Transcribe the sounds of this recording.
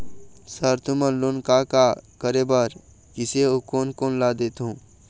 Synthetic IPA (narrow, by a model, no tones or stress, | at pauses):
səɾt̪ʊmənlonkakakəɾebəɾ | kɪseokoːnkoːnlaːd̪et̪ɦũː